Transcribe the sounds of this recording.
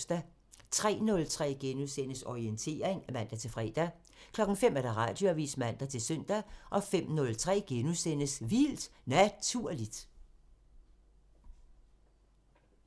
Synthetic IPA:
sd̥æ | t͡sʰʁɛ̰ːnɔ̽lt͡sʰʁɛ̰ːɡ̥enusen̰əsɒient͡sʰe̝̰ːɐ̰eŋæmæn̰d̥æt͡sʰe̝lfʁɛːd̥æ | kʰlɒ̽ɡ̥ŋ̩fem̰æɐd̥ɑ̈ʁɑ̰̈ːd̥joæʋḭːsmæn̰d̥æt͡sʰe̝lsœn̰d̥æʔɒ̽fem̰nɔ̽lt͡sʰʁɛ̰ːɡ̥enusen̰əsʋild̥næt͡sʰuɐ̰lid̥

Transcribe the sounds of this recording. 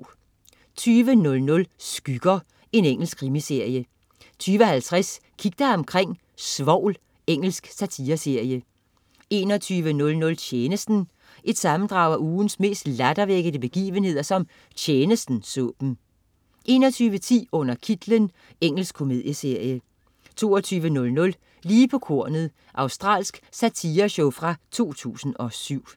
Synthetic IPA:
t͡sʰyːʋənɔ̽lnɔ̽lsɡ̥yɡ̥ɐ | e̝neŋ̰l̩sɡ̥̚kʰʁimise̝ɐ̰jə | t͡sʰyːʋəhælt͡sʰʁas | kʰiɡ̥̚d̥ɐɒ̽mkʰʁeŋ̰ | sʋɒʊ̰l | eŋ̰l̩sɡ̥sæt͡sʰiːɐse̝ɐ̰jə | e̝ːnɒ̽t͡sʰyːʋənɔ̽lnɔ̽lt͡ɕʰjeːnəsd̥n̩ | ʔed̥sɑ̈mn̩d̥ʁɑ̈ʊæʔuːn̩sme̝̰ːsd̥læd̥ɐʋeɡ̥əðˠəb̥e̝ɡ̥ḭːʋənhe̝ð̞̰ˠɐsɒ̽m | t͡ɕʰjeːnəsd̥n̩sɔ̰ːb̥n̩ | ʔe̝ːnɒt͡sʰyːʋət͡sʰḭːɔ̽n̰ɐkʰid̥lən | eŋ̰l̩sɡ̥kʰːo̝me̝ðˠjəse̝ɐ̰jə | t͡sʰo̝̰ːɒt͡sʰyːʋənɔ̽lnɔ̽l | liːpʰɒ̽kʰo̝ɐ̰nð̩ˠ | ʔɑ̈ʊsd̥ʁɑ̰̈ːlsɡ̥sæt͡sʰiːɐɕoʊfʁɑ̈t͡sʰo̝̰ːt͡sʰṵːsn̩ɒ̽syʊ̰

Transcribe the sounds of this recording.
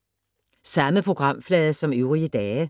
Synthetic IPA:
sɑməpʰʁʊɡ̥ʁɑmflɛːðəsɔmʉːʁiəd̪ɛːə

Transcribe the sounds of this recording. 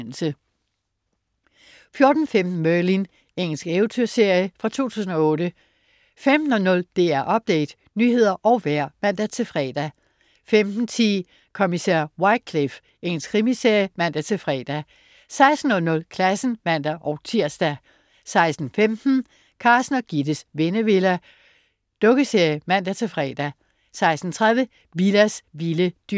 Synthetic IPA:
n̰l̩sə | fjo̝ɐd̥n̩femd̥n̩mœɐlin | eŋ̰l̩sɡ̥eʊt͡sʰøɐse̝ɐ̰jəfʁɑ̈t͡sʰo̝̰ːt͡sʰṵːsn̩ɒ̽ɔ̽ːdə | femd̥n̩ɒ̽nɔ̽ld̥e̝̰ːæɐ̰ʔɒ̽b̥̚d̥ḛɪd̥ | nyhe̝ð̰ˠɐʔɒ̽ʊʋæɐ̰mæn̰d̥æt͡sʰe̝lfʁɛ̰d̥æ | femd̥n̩t͡sʰḭː | kʰomisæɐ̰wɑ̈ɪd̥̚kʰlif | e̝ŋl̩skʰʁimiseɐ̰jəmæn̰d̥æt͡sʰe̝fʁɛ̰ːd̥æ | sɑ̈ɪsd̥n̩ɔ̽lnɔ̽lkʰlæsn̩mæn̰d̥æʔɒʊt͡sʰiɐ̰sd̥æ | sɑ̈ɪsd̥n̩femd̥n̩ | kʰɑ̈ːsnɐɡ̥id̥əsʋe̝nəʋe̝læ | d̥ɔ̽ɡ̥əseɐ̰jəmæn̰d̥æt͡sʰe̝fʁɛ̰ːd̥æ | sɑ̈ɪsd̥n̩t͡sʰʁaðˠjə | ʋilæsʋiləd̥y

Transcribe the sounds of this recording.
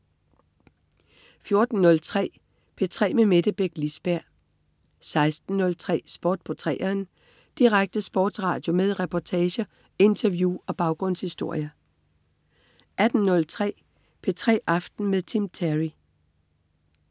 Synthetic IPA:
fjo̝ɐd̥n̩ːɔ̽lt͡sʰʁɛ̰ː | pʰe̝t͡sʰʁɛ̰ːmemed̥əb̥eɡ̥lisb̥æɐ̰ | sɑ̈ɪsd̥n̩ːɔ̽lt͡sʰʁɛ̰ːsb̥ɔːd̥̚pʰɒt͡sʰʁɛ̰ːɐn | d̥iʁaɡ̥̚d̥əsb̥ɔ̰ːd̥sʁɑ̈ːd̥jo̝meðˠʁɛpʰɒt͡sʰɛːɕə | e̝nt͡sʰɐʋjuɒ̽b̥ɑ̈ʊɡ̥ʁɔ̽n̰shisd̥o̝ɐ̰jɐ | ʔæd̥n̩nɔ̽lt͡sʰʁɛ̰ː | pʰet͡sʰʁɛ̰ːʔɑ̈fd̥n̩meðˠt͡sʰimt͡sʰæʁi

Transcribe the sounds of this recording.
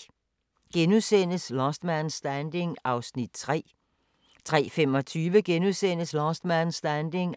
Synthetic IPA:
ɡ̥enuðˠsen̰əslɒsd̥mænsd̥ænd̥e̝ŋɑ̈ʊsnid̥̚t͡sʰʁɛ̰ː | t͡sʰʁɛ̰ːfemɒ̽t͡sʰyːʋəɡ̥enuðˠsen̰əslɒsd̥mænsd̥ænd̥e̝ŋ

